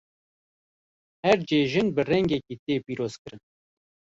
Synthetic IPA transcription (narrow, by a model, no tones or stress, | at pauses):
hɛɾd͡ʒeːʒɨnbɨrɛŋɡɛkiːt̪eːpiːɾoːz̥kɨɾɨn